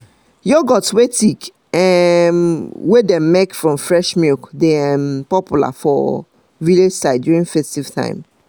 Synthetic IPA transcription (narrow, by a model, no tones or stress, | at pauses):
jɔɡɔtwetik | ɛmwedɛ̃mmekfɹɔ̃mfɹɛʃmikdeɛmpɔpjula̰fɔ̰ | viled͡ʒsaɪdjuɹĩŋfɛstiv̥tʰã̰ɪ̃m